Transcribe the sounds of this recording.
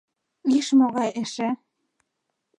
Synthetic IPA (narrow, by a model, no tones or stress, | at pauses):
iʃmoɣɑjeʃĕ